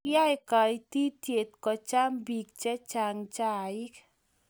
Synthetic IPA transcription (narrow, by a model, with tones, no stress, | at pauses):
ja˦jka˨i˦ti˦t̪je˨t̪̚kɔ˨t͡ʃa˦mbi˨k̚t͡ʃɛ˦t͡ʃa˨ŋt͡ʃa˦˨ɪ˦k